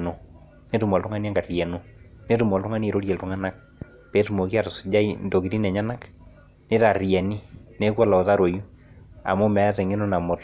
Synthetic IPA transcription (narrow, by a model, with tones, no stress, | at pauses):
no˨ | ne˦tu˨mɔ˨ltʊ˦ŋa˦ni˦a˦ŋɡa˨rjɛ˨no˦ne˦tu˨mɔ˨ltʊ˦ŋa˦ni˦˨ɾo˦ɾjɛ˨ltʊ˦ŋa˦na˦k̚ | pe˨˦tu˨mo˨ki˦a˨tsd͡ʒa˦indo˨ki˨ti˦nɛ˨ɲa˦na˦k | ne˦ta˨rjɛ˨ni˦ne˦kwɔ˦la˨o˨ta˦ɾo˨ju˦a̰˨mʊ˦mɛ˨˦a˦sɛ˨ŋɪ˦no˦na˨mʊ˨t